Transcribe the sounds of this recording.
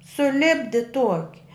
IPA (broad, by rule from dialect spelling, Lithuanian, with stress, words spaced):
sʊˈlʲɪbʲdʲɪ ˈtuɔkʲɪ